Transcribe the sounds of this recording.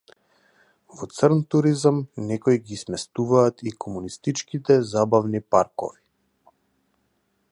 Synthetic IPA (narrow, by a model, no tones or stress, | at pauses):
vɔt̪səɾnt̪uɾizamnɛkɔjɡismɛst̪uvaːt̪ikɔmunist̪it͡ʃkit̪ɛzabavnipaɾkɔ̰vi̥